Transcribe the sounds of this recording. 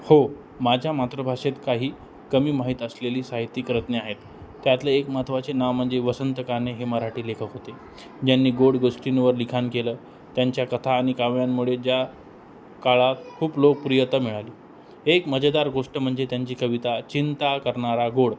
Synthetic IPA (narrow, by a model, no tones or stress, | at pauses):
ho | mad͡ʑʱjamat̪ɾəbʱaʂet̪kaɦiː | kəmiːmaɦit̪əsleliːsaɦit̪ːikɾət̪neaɦet̪ː | jat̪ləekmat̪ʰʋat͡senaʋm̤əɳd͡zeʋəsənt̪əkaneɦeməɾaʈiːlekʰəkɦot̪e | d͡ʑanːiːɡoɽɡoʂʈinʋəɾlikʰankeləː | t̪jaɲt͡ɕjakət̪ʰaːɽ̃ikaʋjamːuɭed͡ʑja | kaɭat̪kʰuːplok̚puɾjət̪əmiɭaliː | ekməd͡ʑd̪aɾɡoʂʈəm̤əɳd͡zet̪jaɲt͡ɕiːkəʋit̪at͡ɕint̪akəɾɳaɾaɡoɽ